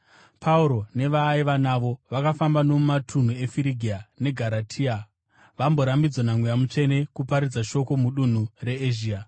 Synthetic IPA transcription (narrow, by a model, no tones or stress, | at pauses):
pʰauɾo̞ne̞ʋaːiʋanaʋo̞ʋakafambano̞umatʰun̤ue̞fiɾiɡʱiane̞ɡʱaɾatʰiːa | ʋambo̞ɾambid͡zwonamwujamut͡ʂe̞ne̞kupaɾid͡zaʃo̞ko̞muɗun̤ure̞eʒiːa